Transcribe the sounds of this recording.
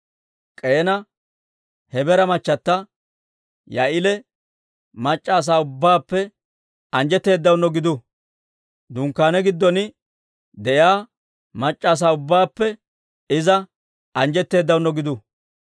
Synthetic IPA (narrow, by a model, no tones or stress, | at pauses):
kʼe̞ːnɐ | hɛbɛɾɐmɐt͡ʃːɐt̪ːɐ | jɐʔɪlɛ | mɐt͡ʃʼːaːs̬aːʊbːaːpːɛ | ɐnd͡ʒɛt̪ːe̞ːd̪ːɐwnːɔɡɪd̪ʊ | d̪ʊŋkːaːnɛɡɪd̪ːɔnɪ | d̪ɛʔjaː | mɐt͡ʃʼːaːs̬aːʊbːaːpːɛ | ɪzɐ | ɐnd͡ʒɛt̪ːe̞ːd̪ːɐwnːɔɡɪd̪ʊ